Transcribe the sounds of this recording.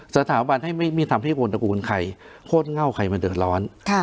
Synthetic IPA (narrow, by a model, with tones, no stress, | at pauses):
sa˧t̪ʰaː˩˦ba˧nɦa˥˩jma˥˩jmiː˥˩t̪ʰa˧mha˥˩jko˧nta˧kuː˧nkʰa˧j | kʰoː˥˩nŋa˥˩wkʰa˧jma˧dɯ˨˩ət̪̚lɔː˦˥nkʰ